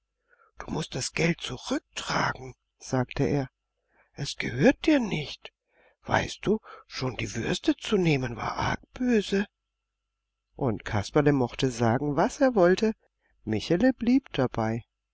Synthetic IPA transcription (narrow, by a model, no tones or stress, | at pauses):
d̥u̥ːmʊst̚d̥asɡ̥ɛlt̚t͡suʁʏk̚tʁ̥aːɡŋ̩ | z̥aːktʰəʔeːɐ | ʔɛsɡ̥əhøːɐt̚d̥iːɐnɪçt | v̥a̰ɪst̚d̥uːʃoːndiːvʏɐstət͡suneːmənva̰ːɐʔa̰ɐk̚b̥øːzə | ʔʊntkʰaspaləmɔχtəzaːɡŋ̩vaseːɐvɔltə | mɪçaləbliːpd̥abaɪ